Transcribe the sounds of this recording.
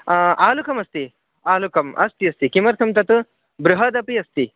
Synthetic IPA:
aːlukɐmɐst̪i | aːlukɐmɐ̰st̪iɐst̪ikimɐɾt̪ʰɐmt̪ɐt̪u | bɾuɦɐd̪ɐpiɐst̪i

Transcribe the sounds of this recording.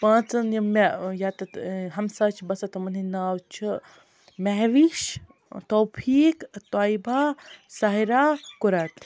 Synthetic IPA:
pãːt͡sɐnjɐmejat̪ɐt̪ɦɐmsaːt͡ʃʰibɐsɐt̪ɐmɐninaːwt͡ʃʰi | meɦʋiʃ | t̪oːpʰiːkt̪ajbʱaːsɐɦiɾaːkuɾat̪

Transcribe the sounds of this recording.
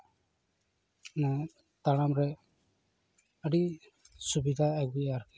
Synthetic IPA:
na | t̪aɽamɾɛ | əɖi | subid̪ʱaaɡbiaɾ

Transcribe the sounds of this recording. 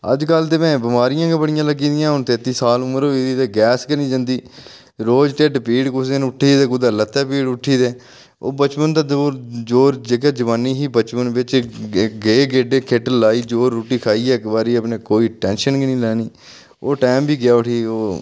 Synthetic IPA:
ə̰d͡ʒkəlt̪eːmɛ̃ːbɪmaːɾɪjãːɡebəɽɪjãːləɡiːd̪ɪjãːɦʊnt̪eːt̪ːiːsaːlʊməɾoːiːd̪iːt̪eːɡɛːskənĩːd͡ʒə̃nd̪iː | ɾoːd͡ʒʈeɖpiːɽkʊsd̪enʊʈʰːiːd̪eːkʊd̪aːlət̪ːɛːpiːɽʊʈʰːiːd̪eː | o̰ːbət͡ʃpənt̪aːd̪oːd͡ʒoːɾd͡ʒeːk̬ɛːd͡ʒəʋaːnːiːɦiːbət͡ʃpənʋɪt͡ʃɡeɡeːɖeːkʰeːʈəlːaːiːd͡ʒoːɾːuːʈiːkʰaːiːɛːkbaːɾiːəpnẽːkoːiːʈɛ̃ːnʃənkinĩːlɛːniː | oːʈeːmbiːɡɪjaːʊʈʰiːoː

